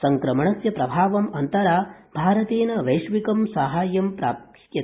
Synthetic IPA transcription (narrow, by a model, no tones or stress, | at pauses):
sɐŋkɾɐmɐɳɐsjɐpɾɐbʱaːʋɐmɐnt̪ɐɾaːbʱaːɾɐt̪eːnɐʋɐjʂʋikɐmsaɦaːjɐmpɾa̰ːp | jɐ